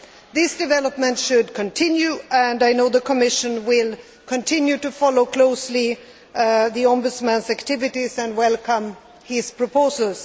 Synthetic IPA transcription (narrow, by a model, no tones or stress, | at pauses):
ðɪsd̥ɨvɛləpmə̃ntʃʊd̚kʰɨ̃ntʰɪ̃njʉɨ̃ndaɪnoʊðəkʰɔmɪʃɨ̃nwɪlˠ | kʰə̃ntʰɪ̃njʉtɨfɑloʊkʰl̥oʊsli | ðiɑ̃mbɨtsmæ̃nsæktʰɪvɪtisɨ̃ndwɛlˠkʰʌ̃m | ɪspʰɹ̥ɔpʰoʊsəl̩ˠs